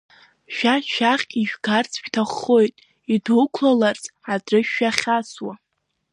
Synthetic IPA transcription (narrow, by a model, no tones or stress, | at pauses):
ʃᶣaʃᶣaχʲʼiʒᶣɡart͡sʰtʰaχːo̞jtʼ | idukʷʰlalart͡sʼaʈ͡ʂɨʃːaχʲaswa